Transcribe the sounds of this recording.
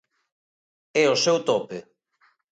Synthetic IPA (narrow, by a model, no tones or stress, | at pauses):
ɛʊsewt̪ɔpe